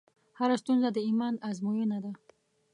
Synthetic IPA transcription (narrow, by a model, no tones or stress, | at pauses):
haɾast̪unzad̪iimanazmujonad̪a